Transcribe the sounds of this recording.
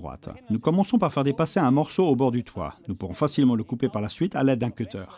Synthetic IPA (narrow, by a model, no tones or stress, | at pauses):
ʁwa̰t̪nukɔmɑ̃sɔ̃paʁfɛʁd̪epaseɛ̃mɔʁsoːbɔʁd̪yt̪wa̰nupuʁɔ̃fasilmɑ̃ləkupepaʁlasɥit̪a̰lɛd̪̚ːɛ̃kʲøt̪ʰœ̰ːʁ